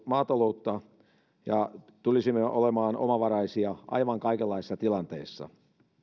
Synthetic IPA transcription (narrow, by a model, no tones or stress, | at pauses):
mɑːt̪ɑlout̪ːɑ | jɑ | t̪ulisimːeʔolemɑːno̰mɑʋɑrɑisiɑʔɑ̰iʋɑŋkɑikelːɑisisɑt̪ilɑnt̪ḛisːɑ̰